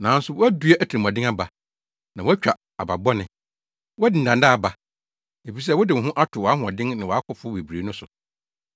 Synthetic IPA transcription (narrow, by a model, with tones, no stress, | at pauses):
nãː˨n̩˦sʊ˨wɔ˦æ˦du˦a˦ʔæ˨tʰi˨i˨m˨ã˨dɪ̃˦ŋ˦a˦ba˨ | nã˨wɔ˦æ˦t͡ɕᶣa˨ | a˨ba˨bɔ˦nɪ̃˨ | wɔ˦æ˦dɪ˨n̩˨ã˨ndaː˦˨ba˨ | e˨fi˨s̬ɛ˦wɔ˦dɪ˨ʊ˨ɦʊ̃˦ʔa˦tʰʊ˨wɔ˨a˦ɦʊ̃˨ɔ˨dɪ̃˦ŋnɪ̃˨wɔ˨a˦kʰʊ˨˦fʊ˦be˨bɾe˨˦nʊ̃˦sʊ˨